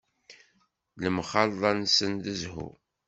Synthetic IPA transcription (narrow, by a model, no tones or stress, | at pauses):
ləmχɑlðˤɑnsənd̪əzhʊ̰